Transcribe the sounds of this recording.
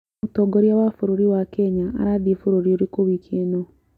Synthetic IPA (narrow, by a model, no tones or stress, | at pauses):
utoɡoɾjawafuɾuɾiwakeɲaa̰ɾaðifuɾuɾioɾikoβikʰieno